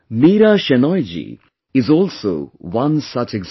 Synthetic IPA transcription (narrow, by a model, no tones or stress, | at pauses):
miːɾaʃɛnɔjd͡ʒḭ | ɪzɔːlso̰ːʋʌ̃nsʌt͡ʃɛɡz